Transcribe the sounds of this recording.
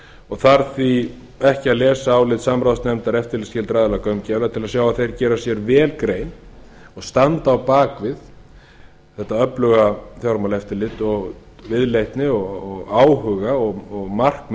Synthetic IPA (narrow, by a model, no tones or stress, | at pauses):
ɔɣθaɾθvi | ɛhcɪaðlɛːsaːwlɪːt̪samɾaðst̪nɛmt̪aɾɛft̪ɪɾlɪscɛɪlt̪ɾaːðɛlakœɥmcɛvlat̪ʰɪlaðsjaːwaðθejɾcɛːɾasjɛɾvɛːlkɾeːjn | ɔɣst̪ant̪aːwpaːkvɪð | θɛht̪ːaœplʏɣaθjawɾmawlɛft̪ɪɾlɪt̪ɔɣ | vɪðlejht̪nɪɔɣɣaːwɦʏːɣaɔɣɔɣmar̥km